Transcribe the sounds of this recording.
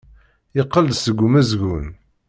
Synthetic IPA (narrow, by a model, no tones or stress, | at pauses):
jəqːəld̪səɡʷːumæzʝun